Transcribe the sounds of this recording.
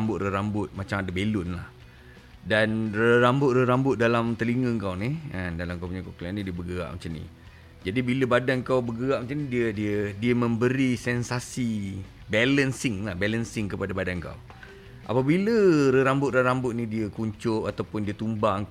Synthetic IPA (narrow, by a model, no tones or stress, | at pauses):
mbʊt̪̚rəɾambʊt̪̚mat͡ʃamadabelʊnla̰h | danrəɾambʊt̪̚rəɾambʊt̪̚dalamt̪əliŋəŋkawniəndalamkəpuɲakoklanidiəbəɡəa̰ʔmat͡ʃamnḭ | d͡ʒadibiləbadankawbəɡəɣaʔmat͡ʃanidiədiədiəmə̃mbəɾisɛnsasi | bɛlənsɪŋlahbɛlənsɪŋkəpadabadanka̰w | ʔa̰pabiləɾəɾambʊt̪̚rəɾambʊt̪̚nidiəkuɲt͡ʃʊʔat̪awpʊndiət̪umbaŋ